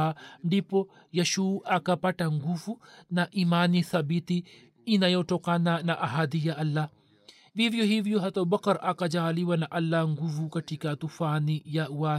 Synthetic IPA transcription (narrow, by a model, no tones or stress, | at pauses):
ɳɖipːɔ | jɐʃuːʔakapaʈaŋɡufunaʔimaːniθɐbit̪i | inajoʈɔkananaʔaɦad̪ijaʔɐlːa | ʋivijɔɦivijɔɦɐt̪ɐbɐkɐɾɐkad͡ʒaːliwanaʔɐlːaŋɡufukɐʈikat̪ufaːnijawa